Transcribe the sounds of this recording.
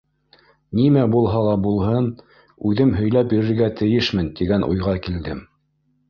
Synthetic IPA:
nimæbulˠɦɑlˠɑbulˠɦɤn | ʉðɘmɦɵ̆jlæpjiɾɘ̆ɾɡæt̪ɘ̆jɘʃmɘnt̪iɡænʔṵjʁɑkild̪ɘm

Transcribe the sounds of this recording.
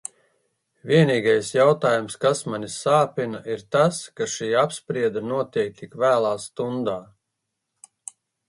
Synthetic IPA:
vʲiɛniːɡajsjawt̪aːjumskasmanʲisaːpʲinaʔiɾt̪askaʃiːapspɾiɛd̪anuɔt̪iɛk̚t̪ikvæːlˠaːst̪und̪aː

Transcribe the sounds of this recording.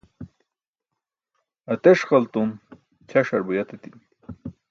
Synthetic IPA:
ɐt̪eʂχɐlt̪un | t͡ɕʰɐʂɐɾbujɐt̪et̪in

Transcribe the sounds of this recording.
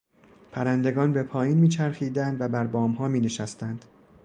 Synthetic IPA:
pʰæɾænd̪e̞ɡɒːnbe̞pʰɒːjiːnmiːt͡ʃʰæɾxiːd̪ænd̪væbæɾbɒːmɦɒːmiːne̞ʃæst̪ænd̪̥

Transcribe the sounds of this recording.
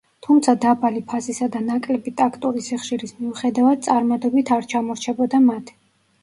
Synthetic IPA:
t̪ʰumt̪sʰad̪abalipʰasisad̪anakʼlɛbit̪ʼakʰt̪ʼuɾisiχʃiɾismiuχɛd̪avad̪̥̚t̪sʼaɾmad̪ɔbit̪ʰaɾt͡ʃʰamɔɾt͡ʃʰɛbɔd̪amat̪ʰ

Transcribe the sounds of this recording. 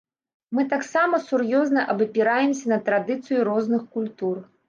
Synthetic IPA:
mɨt̪aksamɐsurjɔznɐʔɐbɨpʲiɾajɛmsʲɐnɐt̪ɾad̪ɨt̪sɨjuɾɔznɨxkulʲt̪ur

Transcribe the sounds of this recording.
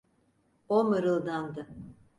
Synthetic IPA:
omɯɾɯlˠd̪and̪ɯ

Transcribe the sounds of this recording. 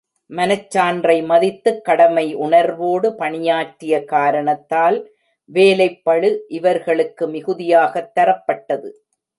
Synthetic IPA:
mɐnɐt͡ʃːaːndrɐɪmɐðɪt̪ːɯkːɐɽɐmɐɪʔʊɳɐɾʋoːɽɯpɐɳɪjaːʈːɪjɐkaːɾɐɳɐt̪ːaːl | ʋeːlɐɪpːɐɭɯʔɪʋɐɾɣɐɭɯkːɯmɪɣɯðɪjaːɣɐt̪ːɐɾɐpːɐʈːɐðɯ

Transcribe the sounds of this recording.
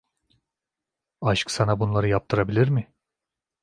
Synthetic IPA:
aʃksanabunlˠaɾɯjap̚t̪ʰɯɾabilʲiɾmɪ

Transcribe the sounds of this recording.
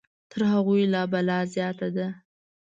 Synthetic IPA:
t̪ʰəɾɦaɣujlɑbalɑzjɑt̪ad̪a

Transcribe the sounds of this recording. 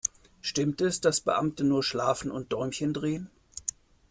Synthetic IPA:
ʃtɪmtɛsd̥asb̥ə̰ʔamtənuːɐʃlaːfn̩ʊnt̚d̥ɔʏmçəndʁeːən

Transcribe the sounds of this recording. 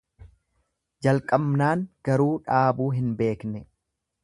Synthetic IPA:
d͡ʒɐlkʼɐbnaːŋɡ̥ɐɾuːᶑaːbuːɦɪnbe̞ːknɛ

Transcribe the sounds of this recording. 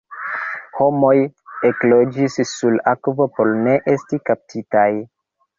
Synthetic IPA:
ho̞mo̞je̞klo̞d͡ʒisːulakvo̞po̞ɾne̞ʔe̞stikap̚tʰitaj

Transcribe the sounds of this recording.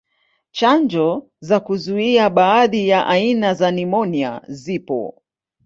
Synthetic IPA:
t͡ʃand͡ʒɔ | zakuzuiaɓaːðijaʔainazanimɔnia̰zipɔ̰

